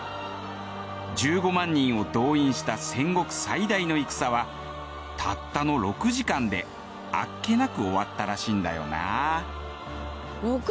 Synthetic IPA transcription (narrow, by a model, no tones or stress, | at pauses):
d͡ʑɨːɡo̞mãɲ̟ːĩɰ̃o̞d̪o̞ːĩɰ̃ɕi̥t̪asẽ̞ŋɡo̞kɯ̟̥said̪aino̞ikɯ̥saβa | t̪ʰat̪ːano̞ɾo̞kɯ̟ʑikãnd̪e̞ | a̰kːe̞nakɯ̟o̞βat̪ːaɾaɕĩːnd̪a̰jo̞̰na̰ | bok